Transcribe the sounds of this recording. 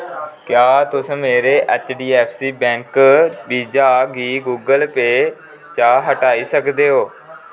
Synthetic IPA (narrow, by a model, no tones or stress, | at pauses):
kɪjaːt̪ʊsmeːɾeːʔət͡ʃɖiːɛːpʰsiːbɛ̃ːŋkbiːd͡ʒaːɡiːɡuːɡəlpeː | t͡ʃaːɦəʈaːiːsəkd̪eːɦoː